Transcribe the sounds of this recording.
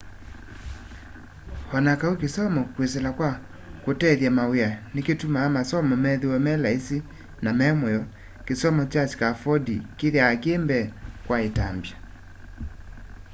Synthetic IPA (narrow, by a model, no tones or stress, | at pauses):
hɔnakaukesɔmɔkwes̬ɛlakwa | kotɛðjamaweaneketumaːmasɔmɔmɛðewɛmɛlaisi | namɛmwɛɔ | kesɔmɔt͡ʃasi̥kafɔdḭkeðeakeːmbɛkwaetambja